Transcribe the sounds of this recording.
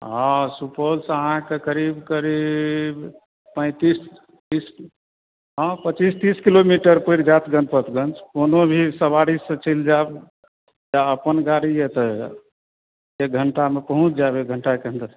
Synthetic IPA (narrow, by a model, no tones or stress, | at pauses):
ɦãsupolsəɦãkekəɾibkəɾib | pə̃ɪ̃t̪is | t̪is | ɦãpət͡ʃist̪iskilomiʈəɾpəɾd͡ʒat̪ɡə̃npət̪ɡənt͡ʃkonobʱisəβaɽisːə̃t͡ʃʰild͡ʒab | jaəpənɡaɾijet̪ə | eɡʱəɳʈamepəɦũt͡ʃʰd͡ʒabeɡʱəɳʈakeɦə̃nd̪əɾ